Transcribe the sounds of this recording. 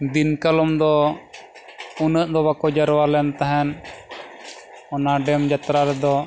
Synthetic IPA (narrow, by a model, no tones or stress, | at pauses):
d̪inkalɔmd̪ɔ | unəʔd̪ɔβakɔd͡ʒaɾwalɛnt̪aɦɛn | ɔnaɖɛmd͡ʒat̪ɾaɾɛd̪ɔ